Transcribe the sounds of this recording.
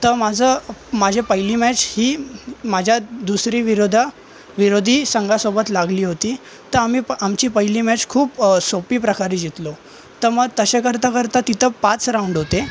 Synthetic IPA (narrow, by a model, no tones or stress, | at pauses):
t̪əmad͡zʱəmad͡ʑʱepəjlimɛt͡shiːmad͡ʑʱjad̪usɾiːʋiɾod̪ʱa | ʋiɾod̪ʱiːsəŋɡasobət̪laɡliːɦot̪iː | t̪əɾamiːamt͡ɕiːpəjlimɛt͡skʰuːpsopiːpɾəkaɾiːd͡ʑit̪lo | t̪əməɡ̚t̪əɕekəɾt̪akəɾt̪at̪it̪ʰəpat͡sɾaũɳɖɦot̪e